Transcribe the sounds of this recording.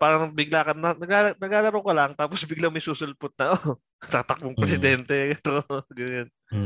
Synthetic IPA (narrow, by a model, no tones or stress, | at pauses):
paːɾɐnɐɡ̚bɪɡlaːkɐnɐnɐɡaːɐnɐɡaːlɐɾɐwkɐlɐŋt̪aːposbɪɡlamɐjsuːsʊlpʊt̪̚nɐʔo | t̪aːt̪ɐk̚boŋpɾɛsɪd̪ɛnt̪ɛkɛt̪oɡɐon